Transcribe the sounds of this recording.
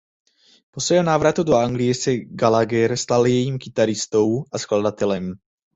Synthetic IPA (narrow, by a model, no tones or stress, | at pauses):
po̞svɛːɦonaːvɾat̪udoaŋɡlɪjɛsɛɡalaɡɛɾst̪aljɛjiːmkɪt̪aɾɪst̪o̞wʔaskladat̪ɛlɛm